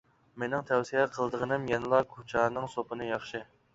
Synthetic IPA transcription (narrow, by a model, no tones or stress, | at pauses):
menɪŋt̪ʰɛwsijɛqʰəlˠd̪əʁənɨmjɛnɨlˠɑkʰot͡ʃʰɑːnɨŋsopʰɨnɨjɑχʃɨ